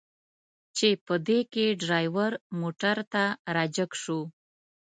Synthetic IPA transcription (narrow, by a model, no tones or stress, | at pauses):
t͡ʃepəd̪ekeɖɾɑjwaɾmoʈaɾt̪aɾɑd͡ʒəkʂu